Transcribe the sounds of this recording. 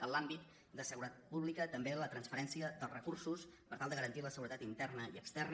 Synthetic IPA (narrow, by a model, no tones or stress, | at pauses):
ənlambit̪ | d̪əsəɣuɾət̪at̪̚puβlikət̪əmbelət̪ɾənsfəɾɛnsiəðəlˠzrəkursuspəɾt̪alˠd̪əɣəɾənt̪iləsəɣuɾət̪at̪int̪ɛrnəḭəkst̪ɛrn